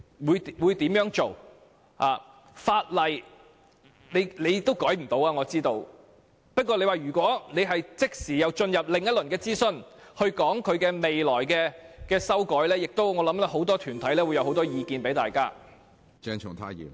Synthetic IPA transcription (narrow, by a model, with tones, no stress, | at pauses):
wuː˨˧jwuː˨˧jt̪iː˨˥mjœː˨˥ŋt͡ʃo˨w | ha̰ː˨ | faː˧t̚lɐ˨j | ne˨˧jle˨˧jt̪o˥wkɔː˨˥jm̩˨˩t̪o˨˧waː˧ŋɔː˨˧t͡siː˥t̪o˧w | pɐ˥kʷːɔː˧nle˧jwaː˨˩jyː˨˩kʷɔː˨˥ne˨˧jɦɐ˨jt͡sɪ˥k̚siː˨˩jɐ˨˧wt͡ʃɵ˧njɐ˨p̚lɪ˨ŋjɐ˥t̚lɵ˨˩nkɛː˧t͡siː˥sɵ˧nhɵ˧ɥkɔː˨˥ŋkʰɵ˨˧ɥkɛː˧me˨jlɔː˨˩jkɛː˧kɛː˧sɐ˥wkɔː˨˥jlɛː˥jɪ˨k̚t̪o˥wŋɔː˨˧lɐ˨˥mlɛ˥ɦo˨˥wt̪ɔː˥t̪ʰyː˨˩nt̪ʰɐ˨˥jlɛː˥wu˧jɐ˧who˨˧wt̪ɔː˥jiː˨˧kiː˨˧npe˨˥jt̪aː˨jkaː˥ | t͡ʃɛ˧˥ŋt͡ʃʰʊ̰˨˩t̪ʰaː˧˥jḭː˨˩m